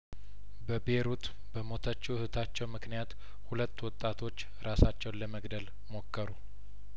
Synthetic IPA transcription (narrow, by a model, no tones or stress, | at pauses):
bəbe̞ɾut̪ | bəmo̞t̪ʰət͡ʃːuhɨt̪ʰat͡ʃːɛwmɨknijat̪ | hulət̪ːwɔt̪ʼːat̪ʰo̞t͡ʃːɨɾasat͡ʃːɛwnləməɡd̪əl | mo̞kʰːəɾu